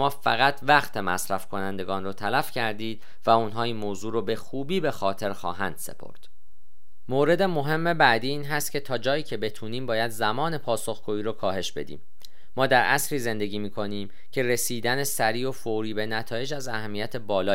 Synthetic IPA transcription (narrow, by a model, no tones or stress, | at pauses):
mɒːfæɣæt̪ʰvæxt̪ʰemæ̰sɾæfkʰo̞nænd̪e̞ɡɒːnrot̪ʰælæfcʰæɾd̪iːd̪̚ | væunɦɒːiːnmoːzuːɾoːbe̞xuːbiːbe̞xɒːt̪ʰe̞ɾxɒ̰ːɦænd̪̥se̞̰pʰo̰ɾd̪̥ | moːɾe̞d̪e̞mo̞ɦe̞mːebæd̪iːiːnɦæst̪̚cʰe̞t̪ʰɒːd͡ʒɒːjiːcʰe̞be̞t̪ʰuːniːmbɒːjæd̪zæmɒːne̞pʰɒːso̞xɡ̥uːiːɾokʰɒːɦe̞ʃb̥e̞̰d̪ḭːmː | ɒːd̪æɾʔæsɾiːze̞nd̪e̞ɟʲiːmiːkʰo̞niːm | cʰe̞ɾe̞siːd̪ænesæɾiːo̞foɾiːbenæt̪ʰɒːje̞d͡ʒæzæhæmːijæt̪ʰe̞bɒːlɒː